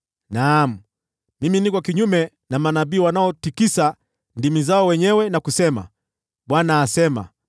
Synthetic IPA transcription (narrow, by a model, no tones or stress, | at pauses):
nam̩ | miminikɔkiɲumɛ | namanaɓiːwanaɔtikisa | ndimizaɔwɛɲɛwɛnakusɛma̰ | ɓwanaːsɛma̰